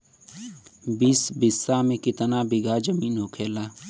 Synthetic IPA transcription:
biːsbɪsːamẽkɪt̪nabɪɡad͡ʒəmiːnɦoːkʰeːlaː

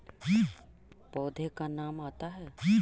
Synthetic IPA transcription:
i | pɔːd̪ʱekanaːmaːt̪aɦɛːi

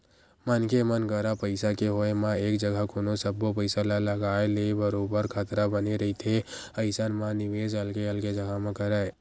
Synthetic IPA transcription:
mənkemənkəɾapəɪsakeɦoemãeːkd͡ʒəɡʱakonosəbːopəɪsalaləɡaːelebəɾobəɾkʰət̪ɾabəneɾəɦit̪ʰeəɪsənmãnɪʋeːd͡ʒəlkeəlked͡ʒəɡʱaɦmẽkəɾəe

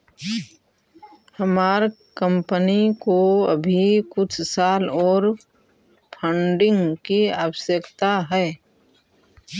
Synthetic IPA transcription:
həmaːɾ | kə̃mpənikoə̰bʱikʊt͡ʃʰsaːlɔːɾ | pʰə̃ɳɖɪ̃ŋɡkiaːʋəsəkt̪aɦɛː

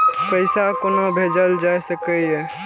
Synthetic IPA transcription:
kəɪsakonobʱed͡ʒəld͡ʒajsəkəɦɛ

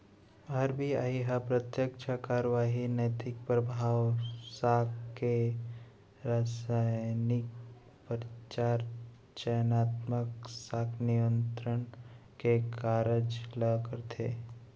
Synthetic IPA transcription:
ɐɾbia̰iɦəpɾət̪jəkt͡ʃʰəkaːɾʋaːɦinət̪ɪk̚pɾəbʱaːwsaːkke | ɾaːsajnɪk | pəɾt͡ʃaːɾ | t͡ʃəjnaːt̪məksaːkʰnijə̃nt̪ɾənkekaːɾəd͡ʒləkəɾt̪ʰeː

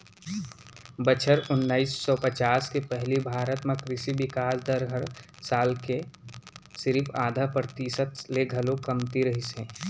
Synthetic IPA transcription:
bət͡ʃʰəɾʊnːaːisːɔpət͡ʃaːskepɛɦlibʱaːɾət̪mẽkɾɪʃibɪkaːsd̪əɾɡʱəɾsaːlke | sɪɾifʰaːd̪ʱapɾət̪iːsət̪leɡʱəlõkɐmt̪iɾɐɦisẽː

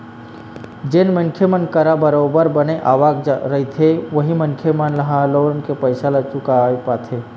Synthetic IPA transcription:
d͡ʒenmənkʰemənkəɾabəɾoːbəɾbəneʔaːʋaːɡɾɐɦit̪ʰeʋəɦimənkʰemənlɐɦaloːnkepəɪsalət͡ʃʊkaepaːt̪ʰeː

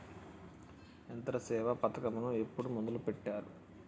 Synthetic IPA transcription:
ent̪ɐɾɐsɛːʋɐpɐt̪ɐkɐmɐnue̞pːuɽumund̪ulupeʈːaːɾu

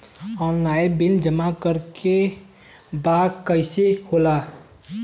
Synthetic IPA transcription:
ɔːnlaɪbind͡ʒəmakəɾke | bakəɪsehola

